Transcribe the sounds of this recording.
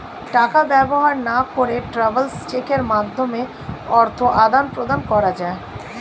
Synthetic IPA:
ʈakabɛboɦaɾnakoɾeʈɾabelst͡ɕekeɾmad̪ʱːome | ɔɾt̪ʰoʔad̪anpɾod̪ankɔɾad͡ʑae

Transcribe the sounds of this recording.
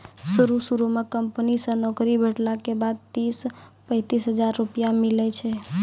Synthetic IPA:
suɾusuɾumekəmpnisə̃nɔkɾibʱəʈlakebad̪̚t̪ispə̃ɪt̪isɦəd͡ʒaɾːupijamilɛt͡ʃʰɛ

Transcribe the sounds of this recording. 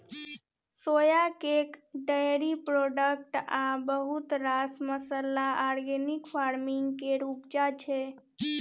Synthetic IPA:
sojakekɖəjɾipɾoɖək̚ʈabəɦut̪ɾasməsəlaaɾɡenikpʰaɾmiŋɡkeɾupd͡ʒat͡ʃʰɛ

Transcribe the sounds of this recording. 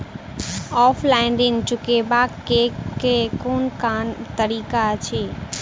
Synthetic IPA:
ɔːfʰlaɪnɖɪŋt͡ʃʊkebaːkkekekoːnkaːnt̪əɾiːkat͡ʃʰeː

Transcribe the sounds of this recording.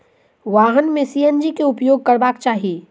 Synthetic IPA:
ʋaːɦənmẽsiːjənd͡ʒikeʊpjoːɡ̚kəɾbaːkt͡ʃaːɦi

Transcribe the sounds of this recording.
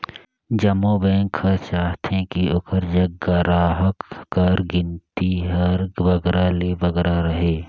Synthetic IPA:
d͡ʒɐmoːbẽːŋkʰət͡ʃaːɦt̪ẽkiʊkəɾd͡ʒɐɡːaɾaːɦəkːəɾɡɪnt̪iɦɐɾʋɐɡɾaleʋɐɡɾaɾəɦeː

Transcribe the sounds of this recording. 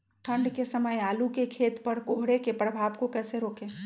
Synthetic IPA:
ʈʰə̃ɳɖkesəməjaːlukekʰeːt̪pəɾkoɦɽekepɾəbʱaːbkokɛːseɾoːkeː

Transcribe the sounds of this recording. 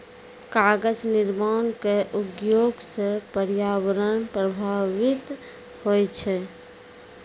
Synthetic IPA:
kaɡəd͡ʒniɾmankeʔuɡjoɡsẽpəɾjaʋəɾənpɾəbʱaʋit̪ | hojt͡ʃʰɛ

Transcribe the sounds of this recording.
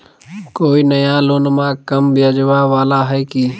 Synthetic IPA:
koːinəjãloːnmãkəmbɪjad͡ʒʋaʋaːlaɦɛkiː

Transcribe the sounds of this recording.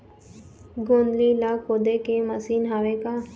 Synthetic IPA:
ɡond̪lilakoːd̪ekemɐsiːnɦaːʋeka

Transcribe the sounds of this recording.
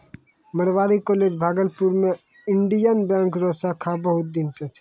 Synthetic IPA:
məɽʋaːɾikoled͡ʒbʱaːɡəlpuɾme | ɪɳɖijənbɛ̃ːŋkɾosakʰabəɦʊt̪̚d̪ɪnset͡ʃʰ

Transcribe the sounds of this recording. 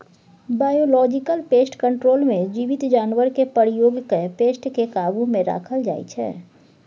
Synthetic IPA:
baːjoːlɔːd͡ʒɪkəlpeːsʈkə̃ɳʈɾoːlmẽd͡ʒiʋɪt̪d͡ʒaːnwəɾkepəɾɪjoːɡkepeːsʈkekaːbumẽɾa̰ːkʰəld͡ʒa̰ːḭt͡ʃʰɛ̰ː

